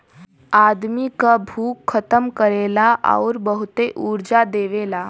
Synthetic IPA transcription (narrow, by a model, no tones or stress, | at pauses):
aːd̪mikabʱuːkʰːət̪əmkəɾeːlaʔɔ̰ːɾbəɦʊt̪eʔuːɾd͡ʒad̪eːʋeːlaː